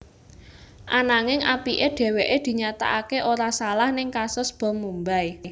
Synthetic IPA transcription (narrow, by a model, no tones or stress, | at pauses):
ʔanaŋɪŋʔapiʔeɖ̥e̤weʔed̪̥i̤ɲat̪a̰ʔakeʔoɾasalahnɪŋkasʊsb̥ɔ̤mumbaj